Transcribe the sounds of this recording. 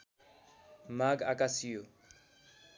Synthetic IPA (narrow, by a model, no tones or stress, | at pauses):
maɡakasijo